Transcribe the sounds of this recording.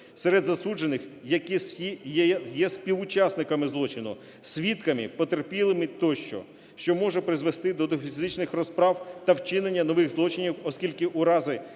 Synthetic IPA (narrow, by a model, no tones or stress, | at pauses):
seɾed̪zɐsud͡ʒenɪxjɐkisijjɛsʲpʲiwʊt͡ʃɑsnɪkɐmɪzlˠɔt͡ʃɪnʊ̰ | sʲʋʲit̪kɐmɪpɔt̪erpʲilˠɪmɪt̪ɔʃt͡ʃɔ̰ | ʃt͡ʃɔmɔʒɛpɾɪzʋest̪ɪd̪ɔd̪ɔfʲizzɪt͡ʃnɪxrɔspɾɑwt̪ɐwt͡ʃɪnenʲːɐnɔʋɪɣzlˠɔt͡ʃɪnʲiwɔsʲkʲilʲkɪʔʊɾɑzɪ